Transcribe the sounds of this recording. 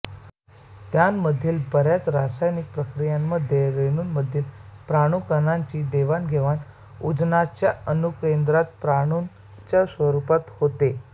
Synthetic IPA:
t̪janməd̪ʱːiːlbəɾjat͡sɾasajnik̚pɾəkɾijamːəd̪ʱːjeɾeɽ̃uːnməd̪ʱːiːlpɾaɽ̃ukənaɲt͡ɕiːd̪eʋanɡʱeʋan | ud͡znat͡ɕjaənukend̪ɾat̪̚pɾaɽ̃un | t͡ɕjasʋəɾupat̪hot̪e

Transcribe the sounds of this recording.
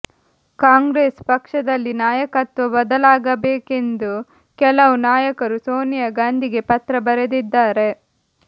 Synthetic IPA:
kaːŋɡɾeːspɐkʂɐd̪ɐlːinaːjɐkɐt̪ʋɐbɐd̪ɐlaːɡɐbeːke̞nd̪u | kɛlɐʋunaːjɐkɐɾuso̞ːnijɐɡaːnd̪ʱiɡe̞pɐt̪ɾɐbɐɾed̪id̪ːaːɾe̞

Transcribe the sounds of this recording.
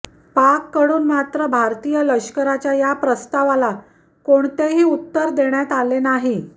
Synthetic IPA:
pakːəɽuːnmat̪ɾəbʱaɾt̪ijələkɕkəɾat͡ɕjajapɾəst̪aʋala | koɳt̪eɦiːut̪ːəɾd̪eɳjat̪alenaɦi

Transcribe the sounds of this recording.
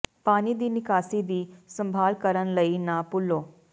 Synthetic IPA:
paːniːd̪iːnɪkaːsid̪iːsə̃mbʱaːlkəɾənləinaːpʊlːoː

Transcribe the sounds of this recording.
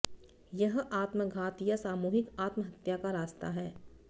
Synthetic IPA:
jɐɦaːt̪məɡʱaːt̪ijasaːmuːɦɪkaːt̪məɦɐt̪jakaɾaːst̪a̰ɦɛː

